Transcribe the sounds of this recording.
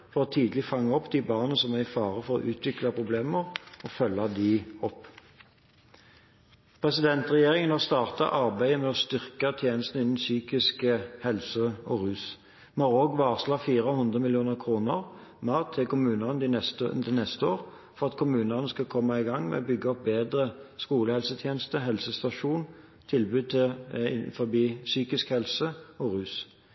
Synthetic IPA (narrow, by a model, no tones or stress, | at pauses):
fɔʁɔːt̪ʰiːd̪lɪfɑŋːɑɔpd̪iːbɑːʁnəsɔmæʁɪfɑːʁəfɔʁo̰ːʔʉːt̪ʰʋɪklɑpʰʁʊbleːməʁɔfœlːɑd̪iɔpː | pʰʁɛsɪd̪ɛnt̪ʁɛjeːʁɪŋənost̪ɑːʁt̪ɑ̰ʔɑʁbæɪəmɛɔst̪ʏʁkət̪ʰjeːnəst̪n̩ɪnn̩syːkɪskəhɛlsəɔʁʉːs | mɑːʁoɡʋɑːʁslɑːfiːʁəhʉnd̪ʁəmɪljuːnəʁkʰʁuːnəʁmɑːʁt̪ʰɪkʊmʉːnəʁnəd̪ɪɛst̪ə̰d̪ɛnɛst̪əoːʁ | fɔʁɑt̪kʰʊmʉːnəʁnəskɑkʰɔmːɑɪɡɑŋːmɛ̰ɔbʏɡːəɔp̚beːd̪ʁəskuːləhɛlsət̪ʰjeːnəst̪əɦɛlsəst̪ɑʃuːn | t̪ʰɪlbʉːd̪̚t̪ʰɪfɔbiːsyːkɪskhɛlsəɔʁʉːs